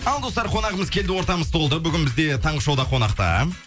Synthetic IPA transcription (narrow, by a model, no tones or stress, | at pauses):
ɑlˠd̪o̞st̪ɑɾqʰo̞nɑʁəməzkʲʰe̞ld̪ɪwo̞ɾt̪ɑməzt̪ʰo̞lˠəbʏɡʲɪnbɪzd̪e̞t̪ʰɑɴʁəʃowd̪ɑqʰo̞nɑqt̪ɑ̰